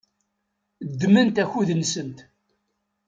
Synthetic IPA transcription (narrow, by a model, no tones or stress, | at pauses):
d̪ːmənt̪æçuðənsənt̪